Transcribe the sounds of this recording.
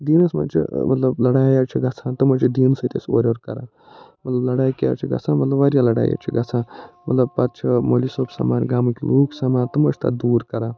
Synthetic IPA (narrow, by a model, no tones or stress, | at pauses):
d̪iːnɐsma̰t͡ʃʰḭmɐt̪lɐblɐɽajat͡ʃʰiɡɐt͡sʰãːt̪ɐmɐt͡ʃʰid̪iːnsət̪ʲeso̰ɾʲʋɐɾkɐ̰ɾaː | mɐt̪lɐblɐɽaːjkʲija̰t͡ʃʰiɡɐ̰t͡sʰamɐt̪lɐbʋaɾjalɐɽa̰ːja̰t͡ʃʰiɡɐt͡sʰãmɐt̪lɐb̚pɐt̪̚t͡ʃʰɐmolisoːbsɐ̰maːnʲɡaːməkʲluːksɐmaːnt̪əmɐt͡ʃʰt̪a̰d̪uːɾkɐɾaː